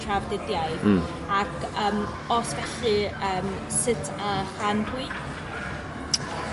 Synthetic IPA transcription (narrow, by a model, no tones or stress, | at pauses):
tʰravdɪdjajð | akʰəːm | ɔsvɛɬɨəːm | sɪtʰaχandwi